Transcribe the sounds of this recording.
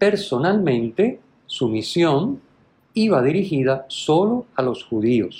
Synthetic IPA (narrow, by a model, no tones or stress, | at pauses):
pe̞ɾso̞nalmẽ̞nt̪e̞ | sumisjo̞n | iβ̞aðiɾixiðaso̞lo̞alo̞sxuðio̰s